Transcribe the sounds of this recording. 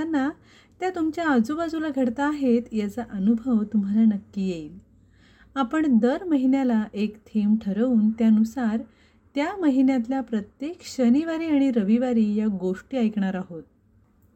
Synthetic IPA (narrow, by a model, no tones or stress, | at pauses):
anːa | t̪jat̪umt͡ɕjaəd͡zobad͡zulaɡʱəɽt̪aːɦet̪jat͡saʔənubʱəʋt̪um̤alanəkːiːjeiːl | apəɳd̪əɾməɦinjalaʔekt̪ʰemʈʰəɾəuːnt̪janusaɾ | t̪jaməɦinjãt̪ljapɾət̪jekɕəniʋaɾiːaɽ̃iɾəʋiʋaɾiːjaɡoʂʈiːajkɳaɾaɦot̪̚